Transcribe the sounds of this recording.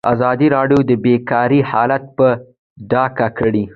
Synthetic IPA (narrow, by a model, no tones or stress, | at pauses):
a̰zɑd̪iɾɑɖjod̪əbekɑɾihɑlat̪̚pə | ɖɑkakəɽi